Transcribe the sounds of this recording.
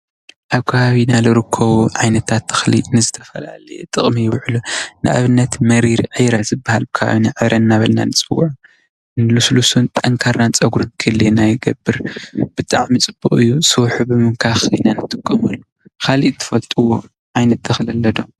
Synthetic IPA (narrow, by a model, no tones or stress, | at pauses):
ʔaβkʰaβaβinalɨɾɨkʰːɐβuʕajnɐt̪ʰat̪ːɨ̥xlḭnɨzɨt̪ʰɐfɐla̰lɐ̰jḛt̪ʼɨχʼmijɪβʕlunɨʔa̰βɨnːɐt̪mɐɾiɾʕɨjɾazɨbːahalbɨkʰɐβa̰βinaʕɨβɾɐnːaβɐlna̰nɨt͡sʼɨwuʕu | ɨnluslusunt̪ʼɐŋkʰaɾnant͡sʼɐɡuɾkʰɨlenajɪɡɐbːɨɾb̥ɨt̪ʼaʕmit͡sʼɨb̥ːuχʼɨjːusɨwħubɨmɨŋkʰaxɨ̰nanɨt̪ʼɨkʼːɐmɐlːu | kʰaliʔt̪ʰːɨ̥fɐlt̪ʼuwo | ʕajnɐt̪ːɨxlɐlːɐd̪o̞